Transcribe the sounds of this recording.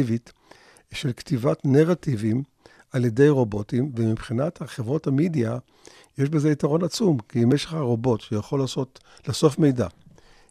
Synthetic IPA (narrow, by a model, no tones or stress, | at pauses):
ivit | ʃelktivatneʁativim | alje̞de̞jʁo̞bo̞timvemipχinathaχevʁo̞thamidia | jeʃbe̞zeitaʁo̞nat͡sumkimeʃeχhaʁo̞bo̞tʃejaχo̞lːaːso̞t | laso̞fme̞jda̰